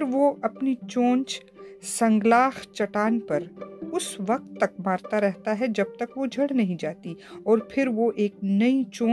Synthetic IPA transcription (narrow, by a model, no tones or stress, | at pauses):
ɾʋoɐpnit͡ʃõːnt͡ʃ | sɐ̃ŋɡlaːxt͡ʃɐʈaːnpɐɾʊsʋɐq̚t̪ːɐk̚maːɾt̪aɾɛɦt̪aɦɛd͡ʒɐb̚t̪ɐkʋod͡ʒʱɐɽnɐɦĩd͡ʒaːt̪iɔːɾpʰɪɾʋoʔeːknɐit͡ʃõː